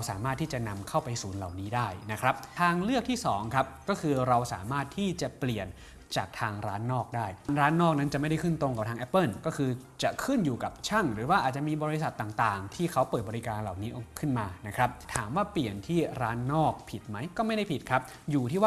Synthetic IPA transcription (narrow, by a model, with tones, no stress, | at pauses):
sa̰ː˩˦maː˥˩t̪ʰːiː˥˩t͡ɕa˨˩na˧mkʰa˥˩wpa˧jsuː˩˦nla˨˩wniː˦˥daː˥˩jna˦˥kʰɾa˦˥p̚t̪ʰaː˧ŋlɯ˥˩ək̚t̪ʰiː˥˩sɔː˩˦ŋkʰa˦˥p̚kɔː˥˩kʰɯː˧ɾa˧wsa̰ː˩˦maː˥˩t̪ʰːiː˥˩t͡ɕa˨˩pli˨˩ən | t͡ɕaː˨˩k̚t̪ʰaː˧ŋɾaː˦˥nːɔː˥˩k̚daː˥˩jnɾaː˦˥nːɔː˥˩k̚na˦˥nt͡ɕa˨˩ma˥˩jda˥˩kʰɯ˥˩nt̪ɾo˧ŋka˨˩p̪̚ʰaː˧ŋʔɛ˦˥pːɤ˥˩nkɔː˥˩kʰɯː˧ | t͡ɕa˨˩kʰɯ˥˩njuː˨˩ka˨˩p̚t͡ɕʰa˥˩ŋɾɯː˩˦waː˥˩ʔaː˨˩t̪̚t͡ɕa˨ʔmiː˧bɔː˧ɾi˦˥sa˨˩t̪ːaː˨˩ŋt̪aː˨˩ŋt̪ʰiː˥˩kʰa˦˥wpəɤː˨˩t̪̚bɔː˧ɾi˦˥kaː˧nla˨˩wniː˦˥ʔo˧kʰɯ˥˩nmaː˧na˦˥kʰɾa˦˥p̚t̪ʰaː˩˦mwaː˥˩pli˨˩ənt̪ʰiː˥˩ɾaː˦˥nːɔː˥˩k̚pʰi˨˩t̪̚ma˦˥jkɔː˥˩ma˥˩jda˥˩jpi˨˩t̪̚kʰɾa˦˥p̚ | juː˨˩t̪ʰiː˥˩waː˥˩